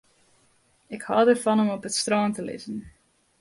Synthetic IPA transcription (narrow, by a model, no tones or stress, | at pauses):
ɪkhɑːdərvɑnɔmɔpətstrɑːntəlɪ̰zən